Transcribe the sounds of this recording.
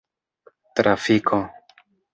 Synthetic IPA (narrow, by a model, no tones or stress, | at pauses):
t̪ɾʔafikʰo